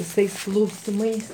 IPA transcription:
ʋʲɪˈsɐɪs klˠɐʊsʲɪˈmɐɪs

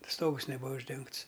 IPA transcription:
ˈstoːɡʊs nʲɛˈbuːɐ ʊʒʲˈdʲɛŋkts

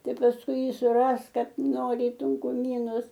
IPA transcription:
ˈtɐɪ pɐsˈkʊɪ ˈjiː sʊˈrɐsk ˈkɐt ˈnoːrʲɪ ɪ tʊŋkʊˈmʲiːnʊs

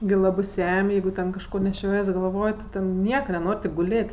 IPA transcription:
ɡʲɪ ˈlˠɑːbɜ ˈsʲɛmʲ ˈjɛɪɡʊ tʲɛn kɐʃˈkoː nʲɛˈʃʲoːjiɛs ɡɐlˠˈʋoːj tʲɪ ˈtʲɛn ˈnʲiɛkɐ nʲɛˈnoːrʲ tʲɪk ɡʊˈlʲeːtʲ

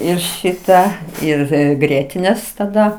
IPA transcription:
ˈɪr ˈʃʲɪtɑː ˈɪr ˈɡrʲiɛtʲɪnʲeːs tɐˈdɐ

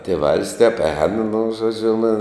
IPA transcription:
tʲeːˈʋɐlˠs tʲɛp ɛːn nʊ ʒoːˈd͡ʒʲʊ nʊ

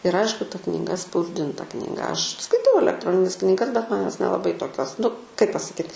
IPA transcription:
ɪr ˈɐɪʃkʊ tɐ knʲɪˈɡɐ spɐʊzʲˈdʲɪntɐ knʲiːˈɡɐ ɐʃ skɐɪˈtɐʊ ɐlʲɛkˈtroːnʲɪnʲɛs knʲɪˈɡɐs bʲɛt ˈmɐn ˈjoːs nʲɛlˠɐˈbɐɪ toːˈkʲoːs nʊ kɐɪp pɐsɐˈkʲiːt

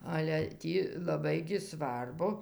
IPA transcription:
ˈɑːlʲɛ ˈtʲiː lˠɐˈbɐɪ ɡʲɪ ˈsʋɐrbʊ

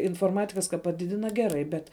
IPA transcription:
ɪnfoːrˈmɑːtʲɪkɐs kɐ pɐˈdʲɪdʲɪnɐ ˈɡʲæːˌrɐɪ ˈbʲɛt

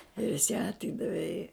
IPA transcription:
ɪr jɪs jæː ɐtʲˈiːdɐʋʲɛ ɪ

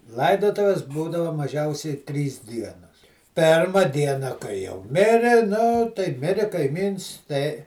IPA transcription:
ˈlˠɐɪdoːtʊʋʲɪs ˈbuːdɐʋɐ mɐˈʒʲɛʊsʲɛɪ ˈtʲrʲiːs ˈdʲiɛnoːs ˈpʲeːrmɐ ˈdʲiɛnɐ kɐɪ jɛʊ ˈmʲɪrʲɪ nʊ tɐɪ ˈmʲɪrʲɪ kɐɪˈmʲiːns tɐɪ

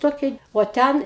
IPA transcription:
ˈtoːkʲɛɪ oː ˈtʲɛn

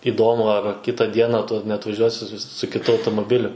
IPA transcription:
ɪˈdoːmʊ ɐr ˈkʲɪtɐ ˈdʲiɛnɐ ˈtʊ nʲɛɐtʋɐˈʒʲuɔsʲɪ sʊ sʊ kʲɪˈtʊ ɐʊtoːmoːˈbʲɪlʲʊ

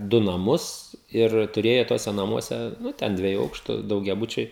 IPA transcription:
dʊ nɐˈmʊs ɪr tʊˈrʲeːjoː ˈtuɔsʲɛ nɐˈmuɔsʲɛ ˈnʊ ˈtʲɛn ˈdʲʋʲiɛjʊ ˈɐʊkʃtʊ dɐʊɡʲɛˈbʊt͡ʃʲɛɪ

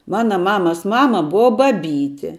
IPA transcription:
ˈmɑːnɐ ˈmɑːmɐs ˈmɑːmɐ ˈbʊʋɐ bɐˈbʲiːtʲɪ

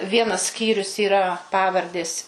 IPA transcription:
ˈʋʲiɛnɐs ˈsʲkʲiːrʲʊs iːˈrɐ ˈpɑːʋɐrʲdʲeːs

